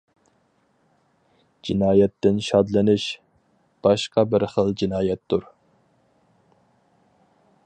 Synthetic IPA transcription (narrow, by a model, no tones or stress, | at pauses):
d͡ʒinɑːjɛt̪ːɪnʃɑd̪lɪnɪʃ | b̥ɑʃqɑbɪɾχəlˠd͡ʒinɑːjɛt̪ːuɾ